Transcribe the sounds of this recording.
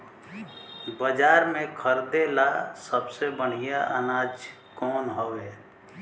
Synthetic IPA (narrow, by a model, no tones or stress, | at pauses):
bəd͡ʒaːɾmẽkʰəɾd̪elasəbsebəɽ̤ijaʔə̰naːd͡ʒ | kɔːnɦoʋɛː